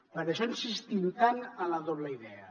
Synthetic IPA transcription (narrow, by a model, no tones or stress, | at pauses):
pəɾaʃɔnsist̪int̪anəlaðɔβləiðɛə̰